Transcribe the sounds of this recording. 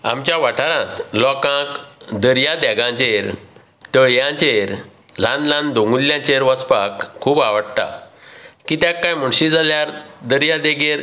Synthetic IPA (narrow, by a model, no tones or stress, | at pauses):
a̰mt͡ɕjaʋaʈʰaɾãt̪lɔkãkd̪əɾjad̪ɛɡãt͡ɕeɾ | t̪əɭjãt͡ɕeɾlãnlãnd̪õŋɡulːjãt͡ɕeɾʋəspakʰːuːbaʋəɽt̪a̰ | kit̪jãkːajm̤əɳɕid͡zaljaɾd̪əɾjad̪ɛɡeɾ